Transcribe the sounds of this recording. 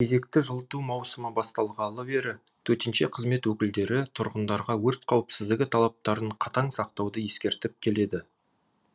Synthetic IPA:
kʲʰe̞ze̞kt̪ɪʒəlˠt̪umɑwsəməbɑst̪ɑlˠʁɑlˠəbe̞ɾɪ | t̪ʰɵɾt̪ɪnʃe̞qʰəzme̞t̪wɵkʲɪld̪e̞ɾɪt̪ʰʊɾʁənd̪ɑɾʁɑwɵɾt̪̚qʰɑwəpsɪzd̪ɪɡʲɪt̪ʰɑlˠɑp̚t̪ɑɾəɴqʰɑt̪ɑŋsɑq̚t̪ɑwd̪əje̞skʲe̞ɾt̪ɪp̚kʲʰe̞le̞d̪ɪ

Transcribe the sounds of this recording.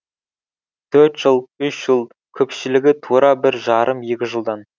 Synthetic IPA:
t̪ʰɵɾt̪ʒ̥əlˠʏʃʒəlˠ | kʲʰɵpʃɪlɪɡʲɪt̪ʰuɾɑbɪɾʒɑɾʔəmje̞kʲɪʒəlˠd̪ɑn

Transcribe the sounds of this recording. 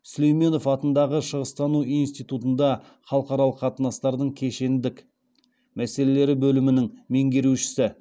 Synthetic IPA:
slejme̞no̞fɑt̪ənd̪ɑʁəʃəʁəst̪ɑnuinst̪ijt̪ut̪ənd̪ɑ | χɑlˠəqɑɾɑlˠəqʰːɑt̪ənɑst̪ɑɾd̪əɴkʲʰe̞ʃe̞nd̪ɪk | mæse̞le̞le̞ɾɪbɵlɪmɪnɪŋme̞ŋɡʲe̞ɾuʃɪ̥sɪ

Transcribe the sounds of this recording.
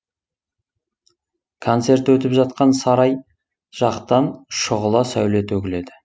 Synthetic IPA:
kʰo̞nt̪se̞ɾt̪wɵt̪ɪpʒɑt̪̚qɑnsɑɾɑj | ʒ̥ɑqt̪ɑnʃʊʁəlˠɑsæwle̞t̪ɵkʲɪle̞d̪ɪ

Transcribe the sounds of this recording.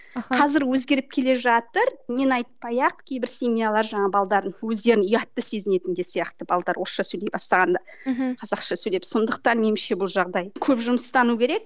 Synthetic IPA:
qʰɑzɪɾwɵzɡʲe̞ɾɪp̚kʲʰe̞le̞ʒɑt̪əɾnenɑjt̪̚pɑjɑq̚kʲʰe̞jbɪɾsemʲijalˠɑɾʒɑɴɑbɑlˠd̪ɑɾənwɵzd̪e̞ɾɪnʏjɑt̪ːəse̞zɪne̞t̪ɪnd̪e̞sijɑqt̪əbɑlˠd̪ɑɾwo̞sʃɑsɵjlejbɑst̪ɑʁɑnd̪ɑ | qʰɑzɑqʃɑsɵjlepso̞nd̪əq̚t̪ɑnme̞nɪmʃe̞bʊlˠʒɑʁd̪ɑjkʲʰɵpʒʊməst̪ɑnukʲʰe̞ɾe̞k̚

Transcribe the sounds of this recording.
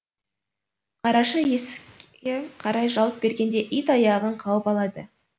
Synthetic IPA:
qʰɑɾɑʃəjesʲ | eqʰɑɾɑjʒɑlˠəp̚be̞ɾɡʲe̞nd̪e̞ʔijt̪ɑjɑʁəɴqʰɑwəpɑlˠɑd̪ə

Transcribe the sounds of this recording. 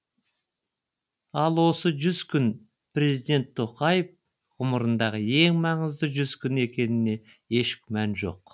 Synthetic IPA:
ɑlˠwo̞səʒʏzkʲʰʏn | prʲe̞zijd̪e̞nt̪ʰːo̞qɑjəf | ʁʊməɾənd̪ɑʁəe̞ŋmɑɴəzd̪əʒʏzkʲʰʏne̞kʲe̞nɪne̞ | e̞ʃkʲmænʒo̞̰q

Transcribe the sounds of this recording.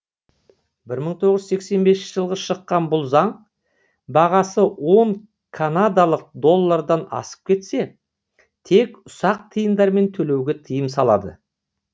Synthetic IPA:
bɪɾməɴt̪ʰo̞ʁəʒse̞kse̞nbesɪnt͡ʃɪʒəlˠʁəʃəqːɑnbʊlˠzɑɴ | bɑʁɑsəwo̞ɴ | kʰanad̪alˠəq̚d̪o̞lˠːaɾd̪ɑnɑ̰sə̥p̚kʲʰe̞t̪se̞ | t̪ʰe̞kʊsɑq̚t̪ʰəjənd̪ɑɾme̞nt̪ʰɵle̞wɡʲet̪ʰəjəmsɑlˠɑ̰d̪ə̰

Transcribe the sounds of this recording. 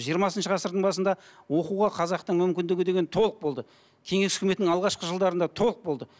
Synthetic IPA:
ʒijəɾmɑsənʃəʁɑsəɾd̪əɴbɑsənd̪ɑwo̞quʁɑqʰɑzɑqt̪əɴmʏmkʲɪnd̪ɪɡʲɪd̪e̞ɡʲent̪ʰo̞lˠəq̚bo̞lˠd̪ə | kʲʰe̞ŋe̞sʏ̥kʲme̞t̪ːɪŋɑlˠʁɑʃqəʒəlˠd̪ɑɾənd̪ɑt̪ʰo̞lˠəq̚bo̞lˠd̪ə

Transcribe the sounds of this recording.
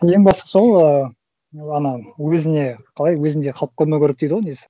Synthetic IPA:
je̞ŋbɑsɑso̞lˠə | ɑnɑwɵzɪne̞qʰɑlˠɑjwɵzɪnd̪e̞qʰɑlˠəp̚kʰɵɾmekʲʰʏɾek̚d̪ejd̪əwonesɪ̥

